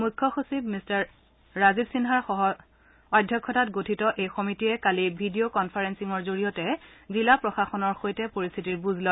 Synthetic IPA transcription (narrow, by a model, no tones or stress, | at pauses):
mujkʰːɔxusib̚mistaɹː | azibsinɦaɹxɔɦɔ | ɔdʱjɔkʰːɔtatɡotʰitɔʔejxomitiɛkalibʱidiokɔnpʰaɹɛnsiŋɔɹzoɹijɔtɛzilapɹɔxaxɔnɔɹxojtɛpoɹist̪ʰitiɹbuzlɔ